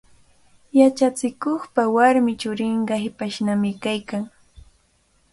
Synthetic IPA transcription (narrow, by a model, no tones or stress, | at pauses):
jat͡ʃat͡sɪkoχpawaɾmɪt͡ʃʊɾɪɴɢɑhɪpaʃnamɪkajkaŋ